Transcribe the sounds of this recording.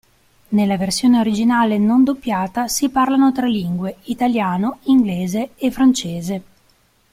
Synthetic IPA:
nelːaversjoːneoɾid͡ʒinaːlenond̪opːjaːt̪asiparlanot̪ɾalːiŋɡweit̪aljaːnoiŋɡleːzeefːɾant͡ʃeːze

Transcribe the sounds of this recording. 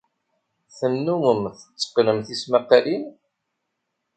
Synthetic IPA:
θənːuməmθə̥t͡sːə̥qnəmθismæqːalin

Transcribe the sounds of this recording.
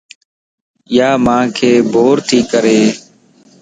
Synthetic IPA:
ɪjaːmãːkʰeːbʱoːɾt̪ʰiːkəɾeː

